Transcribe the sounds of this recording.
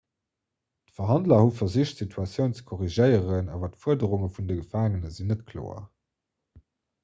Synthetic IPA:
təfɐɦɑndlɐhufɐziːʃtsitʰuɑt͡sjəʊnt͡sə̥kʰɔʁiʒəɪəʁəna̰ːvɐtəfuədəʁuŋəfundəɡəfaːŋənəzinːətkʰlo̰ːɐ̰

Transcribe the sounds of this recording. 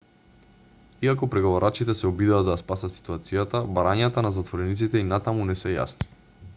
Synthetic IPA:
iakɔpɾɛɡovaɾat͡ʃit̪ɛsɛɔbid̪aad̪ajaspasat̪si̥t̪uat̪sijat̪abaɾaɲat̪anazat̪voɾɛnit̪sit̪ɛinat̪amunɛsɛja̰sni̥

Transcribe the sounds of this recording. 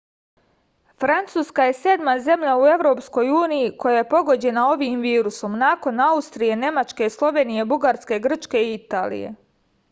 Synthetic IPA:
fɾant̪suːskaje̞se̞d̪maze̞mʎaue̞ʋɾo̞ːpsko̞juːnijiko̞jajepo̞ɡo̞d͡ʑe̞nao̞ʋiːmʋiːɾuso̞mnaːko̞naust̪ɾije̞ne̞mat͡ʃke̞slˠo̞ʋe̞ːnije̞buɡaɾske̞ɡr̩t͡ʃke̞iit̪aːlḭjḛ

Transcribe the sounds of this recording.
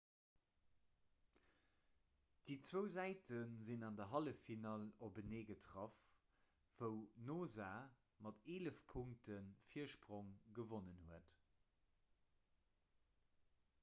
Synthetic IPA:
d̥iːt͡swəʊzæɪtənzinɑndɐɦɑləfinɑːlobəneːɡətʁɑf | v̥əʊnoːzaː | mɑteːləfpʰuŋktʰənfiəɐʃpʁoŋɡəvonənhuət

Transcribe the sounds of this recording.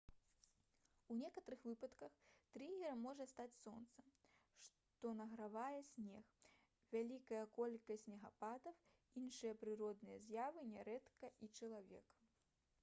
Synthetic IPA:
unʲɛkɐt̪ɐɾɨxvɨpɐt̪kɐxt̪ɾiɣʲɛɾɐmːɔʐɐst̪at͡sʲsɔnt̪sɐʂ | t̪ɔnɐɣɾavajɛsʲnʲɛx | vʲalʲikɐjɐkɔlʲkɐsʲt͡sʲnʲɛɣapad̪ɐw | inʂɨjɐpɾɨɾɔd̪nɨjɐzʲjavɨnʲɛɾɛt̪kɐʔit͡ʂɐlˠavʲɛ̰k

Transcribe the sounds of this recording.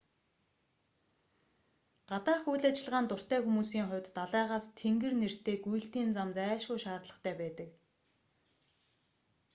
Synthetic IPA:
ɢ̥at̪aːχujɮat͡ɕɪ̆ɮʁaːnt̪ʊr̥t̪æːxumuːsiːŋχʊ̟wʲt̪ːaɮæːʁaːst̪ʰeŋɡɘ̆rner̥t̪eːɡujɘ̆ɬt̪iːnt͡samt͡sæːʃʊːʃaːrt̪ɮə̆χt̪ʰæːpæːt̪ə̆k

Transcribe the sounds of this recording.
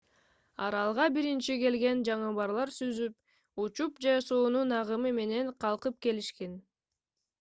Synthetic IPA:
ɑ̰ɾɑlˠʁɑbiɾint͡ʃike̞lɡe̞nd͡ʒɑɴɯβɑɾlˠɑɾsyzyp̚ | ut͡ʃupd͡ʒesoːnunɑʁɯmɯme̞ne̞ɴqʰɑlˠqɯp̚ke̞liʃke̞n

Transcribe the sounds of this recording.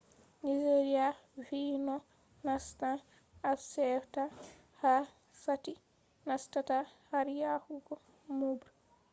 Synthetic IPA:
nid͡ʒeɾiavinɔ | nasta | asɛfta | ha | sati | nastatahaɾjahuɡɔ | mubɾ

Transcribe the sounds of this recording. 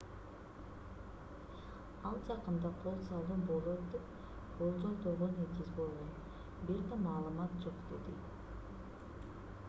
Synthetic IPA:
ɑlˠd͡ʒɑqəmd̪ɑqʰo̞lˠsɑlˠd̪əmbolˠot̪d̪ep | b̥olˠd͡ʒod̪oʁonet̪izbolˠʁoj | beɾd̪emɑːlˠəmɑt̪̚d͡ʒo̞qd̪ḛd̪ḛt̪

